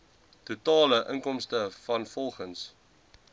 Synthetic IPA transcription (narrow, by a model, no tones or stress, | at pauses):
tutɑːləʔəŋkɔmstəfɐnfɔlˠχəns